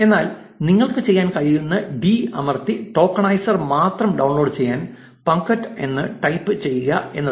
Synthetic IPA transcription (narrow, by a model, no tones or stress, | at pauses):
e̞nːaːl | niŋːɐɭkɨt͡ɕe̞jːaːnkɐɻijunːɨbiːɐmɐrt̪iʈo̞ːkːɐɳɐjsɐrmaːt̪rɐmɖɐwɳɭlo̞ːɖɨt͡ɕe̞jːaːn | pɐŋkɐʈːe̞̰nːɨʈɐjpːɨt͡ɕe̞jːuɣɐe̞nːɐ